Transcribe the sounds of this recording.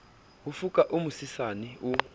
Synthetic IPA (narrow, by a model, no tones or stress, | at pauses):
wufukʼaʔumusisaniu